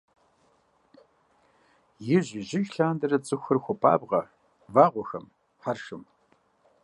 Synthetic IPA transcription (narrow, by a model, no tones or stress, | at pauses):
jɪʑɪʑɪxɬaːndɐɾɐt͡sʼɨxʷɨrxʷɔpʰʼa̰ːbʁɐ | vaːʁʷɔxɐm | ħarʂɨm